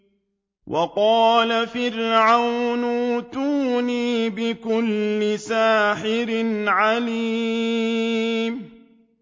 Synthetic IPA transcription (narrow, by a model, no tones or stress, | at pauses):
wʔɑqɑːlafɪɾʕawnuʊt̪uːniːbɪkʊlːɪsaːħɪɾɪnʕaliː | m